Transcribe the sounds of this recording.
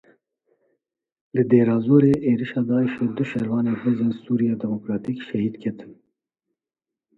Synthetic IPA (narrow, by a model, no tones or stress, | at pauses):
lɨd̪eːɾɑːzoːɾeːʔeːɾiʃɑːd̪ɑːiʃeːd̪ʊʃɛɾwɑːneːhezeːnsuːɾijɑːd̪ɛmokɾɑːt̪iːkʃɛhiːd̪kʰɛt̪ɨn